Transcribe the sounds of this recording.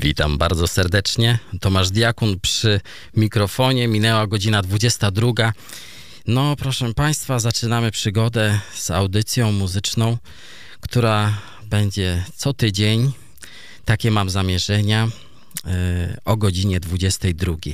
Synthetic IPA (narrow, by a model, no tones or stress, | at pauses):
vʲit̪ambaɾd̪zɔsɛɾd̪ɛt͡ʂɲɛt̪ɔmaʐd̪ʲjakunpʂɘ | mʲikɾɔfɔɲɛmʲinɛwaɡɔd͡ʑinad̪vud͡ʑɛst̪ad̪ɾuɡa | nɔpɾɔʂɛpaj̃st̪fazat͡ʂɘnamɘpʂɘɡɔd̪ɛz̥a̰wd̪ɘt̪sʲjɔ̃w̃muzɘt͡ʂnɔ̃w̃ | kt̪uɾa | bɛɲd͡ʑɛt̪sɔt̪ɘd͡ʑeɲ | t̪akʲɛmamzamʲjɛʐɛɲa | ɔɡɔd͡ʑiɲɛd̪vud͡ʑɛst̪ɛjd̪ɾuɡʲi